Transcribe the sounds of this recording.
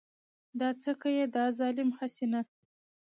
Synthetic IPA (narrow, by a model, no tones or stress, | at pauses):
d̪ɑt͡səkajed̪əazɑlɪmhasena